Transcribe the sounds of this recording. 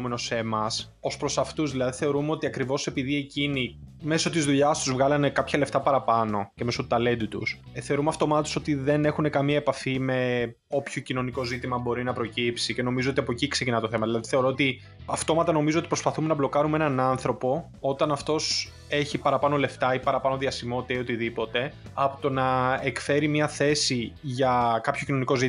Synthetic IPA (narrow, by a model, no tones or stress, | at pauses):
meno̞se̞mɐs | o̞spɾo̞sɐft̪uzðilɐðiθe̞oɾumeo̞t̪iɐkɾivo̞se̞piðie̞cini | me̞so̞t̪izðuʎɐst̪uzvɣɐlɐne̞kɐpçɐle̞ft̪ɐpɐɾɐpɐno̞ceme̞sot̪ut̪ɐle̞nd̪ut̪ṵs | θe̞o̞ɾumeɐft̪o̞mɐt̪oso̞t̪iðe̞ne̞xune̞kɐmiɐepɐfime̞ | o̞pçocino̞niko̞zit̪imɐbo̞ɾinɐpɾo̞cipsice̞no̞mizoo̞t̪iɐpo̞cikse̞cinɐt̪oθe̞mɐðilɐðiθeɾo̞ot̪i | ɐft̪o̞mɐt̪ɐno̞mizoot̪ipɾospɐθume̞nɐblo̞kɐɾume̞nɐnɐnθɾo̞po̞ | o̞t̪ɐnɐft̪o̞s | e̞çipɐɾɐpɐno̞le̞ft̪ɐipɐɾɐpɐno̞ðiɐsimo̞t̪it̪ɐio̞t̪iðipo̞t̪e̞ɐpot̪o̞nɐekfe̞ɾimɲɐθe̞siʝɐkɐpçocino̞niko̞zi